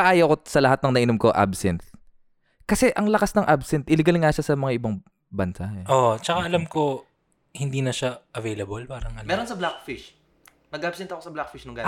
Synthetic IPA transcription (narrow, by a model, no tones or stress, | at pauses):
aʔaːjɐwkosɐlɐhat̪̚nɐŋnɐʔɪnomkoʔa̰bsɛnt̪̚ | kɐsɛʔɐŋlɐkasnɐŋʔabsɛnt̪ʔɪlɪɡɐlŋaʃasɐmɐŋaʔɪbɐŋ | bɐnsaʔoʔt͡ʃɐkaʔɐlamko̞ | hɪnd̪iːnɐʃaʔɐvejlɐbolpaːɾɐŋʔɐmɛːɾonsɐblak̚fɪʃ | nɐɡ̚ʔabsɛnt̪ɐkosɐblak̚fɪʃnʊŋɡa